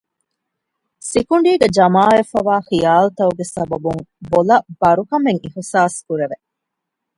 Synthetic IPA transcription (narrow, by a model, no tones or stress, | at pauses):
sikuɳɖiːɡed͡ʒɐmaːefɐʋaːxijaːlut̪ɐuɡesɐbɐbuŋbolɐb̥ɐɾukɐmeŋihsaːskuɾeʋe